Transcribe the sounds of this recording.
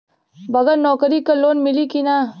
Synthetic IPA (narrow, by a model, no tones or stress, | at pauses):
bɐɡəɾnɔːkɾikaloːnmɪlikina